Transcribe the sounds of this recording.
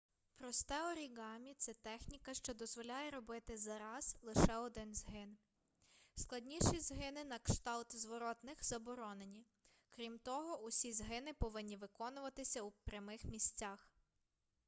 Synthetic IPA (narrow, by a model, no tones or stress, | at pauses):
pɾɔst̪ɛɔɾʲiɡɑmʲit̪sɛt̪ɛxnʲikɐʃt͡ʃɔd̪ɔzʋɔlʲajɛɾɔbɪt̪ɪzɐɾɑzlˠɪʃɛɔd̪ɪnzɦɪn | sklˠɐdʲnʲiʃizɦɪnɪnɐkʃt̪ɑlˠt̪zʋɔɾɔt̪nɪxz̥ɐbɔɾɔnenʲi | kɾʲimt̪ɔɦɔʊsʲizɦɪnɪpɔʋɪnʲːiʋɪkɔnʊʋɐt̪ɪsʲɐupɾʲɐmɪxmʲisʲt͡sʲɑx